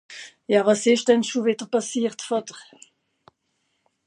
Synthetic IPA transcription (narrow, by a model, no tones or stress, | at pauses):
jɑːvɑsɪʃd̥ɛnʃuvɪdəʁpɑsiːʁtfɑdəʁ